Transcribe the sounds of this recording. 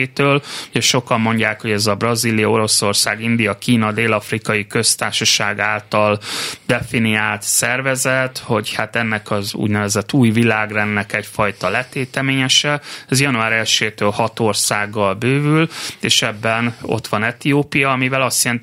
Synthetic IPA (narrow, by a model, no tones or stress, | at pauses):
eːt̪øːluɟɛʃo̞kɒmːo̞ɲɟaːkho̞ɟɛzɒbrɒziːlijɒo̞ɾo̞so̞rsaːɡind̪ijɒkiːnɒd̪eːlɒfrikɒjikø̞st̪aːrʃɒʃaːɡaːlt̪ɒld̪ɛfiniaːlt̪sɛrvɛzɛt̪ho̞chat̪ɛnːɛkɒzṵːɟnɛvɛzɛt̪ːuːjvilaːɡrɛnːɛkɛcfɒjt̪ɒlɛt̪eːt̪ɛmeːɲɛʃɛɛzjɒnuaːɾɛlʃeːt̪øːlhɒt̪o̞rsaːɡːɒlbøːvyleːʃɛbːɛno̞̰t̪ʋɒnɛt̪ijoːpijɒːmivɛlɒst̪jɛlɛnt̪